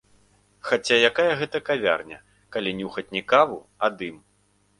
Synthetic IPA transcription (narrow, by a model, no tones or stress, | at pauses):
xat͡sʲajakajɐɣɛt̪ɐkavʲa̰rnʲɐ | kalʲinʲuxɐt͡sʲnʲikavu | ad̪ɨm